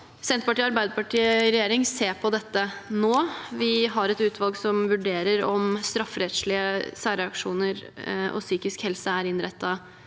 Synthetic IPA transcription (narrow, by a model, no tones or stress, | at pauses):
sɛnt̪pɑʈiːəɑɾbæɪd̪əpɑʈʰiːəɾɛjeːɾɪŋseːɾpʰɔd̪ɛt̪ːənoːʋɪɦɑɾɛt̪ʉːt̪ʰʋɑlɡsɔmʋʉɖeːɾəɾɔmst̪ɾɑfːɾɛt̪ʂɭɪəsæːɾəɑkʂuːnəɾʔɔ̰syːkɪskhɛlsəæɾɪnɾɛt̪ːɑ